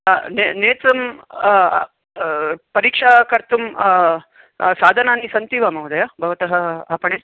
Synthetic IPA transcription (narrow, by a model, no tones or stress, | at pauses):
neneːt͡sɐm | pɐɾiːkʂakɐɾt̪um | saːd̪ʱɐnaːnisɐnt̪iʋamɐwd̪ɐjabʱɐʋɐt̪ɐɦəapəɳe